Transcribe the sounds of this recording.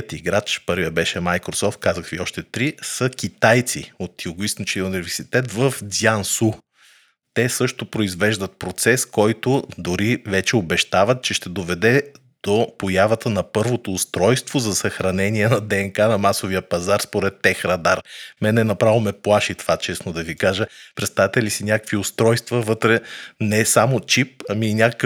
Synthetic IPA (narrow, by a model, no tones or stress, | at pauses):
ət̪iɡɾat͡ʃpɤɾvijəbɛʃɛmajkɾosɔft̪̚kazəxviɔʃt̪ɛt̪ɾisək̟ʲit̪ajt̪sḭot̪jʊɡʊist̪nt͡ʃɛiunivɛɾsit̪ɛt̪vəfzʲjansu | t̪ɛsɤʃt̪opɾoizvɛʒd̪ət̪̚pɾot̪sɛskɔjt̪ʊd̪ʊɾivɛt͡ʃɛobɛʃt̪avət̪̚t͡ʃɛʃt̪ɛd̪ovɛd̪ɛ | d̪̥opojavət̪ənɐpɤɾvot̪oːst̪ɾɔjst̪vozɐsɐxɾɐnɛniɛnɐd̪ɛːŋkanɐmasoviəpɐzaɾspoɾɛt̪ːɛxɾɐd̪aɾmɛnɛnɐpɾavˠomɛplˠaʃit̪vat͡ʃɛsnod̪ɐvikaʒəpɾɛt̪st̪avt̪ɛlisinʲjakə̥kviʊst̪ɾɔjst̪vɐvɤt̪ɾɛnɛsamot͡ʃip̚ɐmiːnʲakək